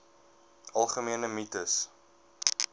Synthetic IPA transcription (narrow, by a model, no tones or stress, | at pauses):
ɐlˠχəmiənəmitəs